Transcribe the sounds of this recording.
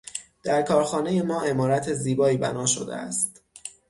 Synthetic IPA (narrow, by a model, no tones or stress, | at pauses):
d̪̥æɾkʰɒːɾxɒːne̞je̞mɒːʔe̞mɒːɾæt̪ʰeziːbɒːiːbæ̰nɒːʃo̰d̪ḛæ̰st̪